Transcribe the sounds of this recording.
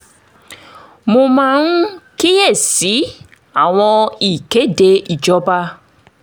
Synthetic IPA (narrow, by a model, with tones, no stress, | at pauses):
mʊ˨ma˨ŋ̩˦ki˦je˦˨si˨˦ | a˨ŋʷɔ˦i˨ke˦de˨i˨d͡ʒɔ˦ba˦